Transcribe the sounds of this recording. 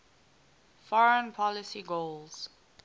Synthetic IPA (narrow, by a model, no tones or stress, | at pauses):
fɔɹə̃npʰɔlɪsiɡolz̥